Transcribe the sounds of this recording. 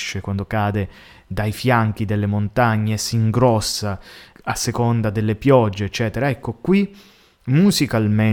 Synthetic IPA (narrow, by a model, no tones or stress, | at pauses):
ʃːekwand̪okaːd̪e | d̪ajfjaŋk̟id̪elːemont̪aɲːesiŋɡɾɔsːaasːekond̪ad̪elːepjɔd͡ʒːeːt͡ʃːɛːt̪eɾaɛkːokwi | muzikalme